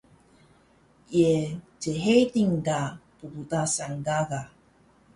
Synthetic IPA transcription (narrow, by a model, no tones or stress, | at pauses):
ie | d͡ʒeɦejtiŋɡapubut̪asaŋɡaɡa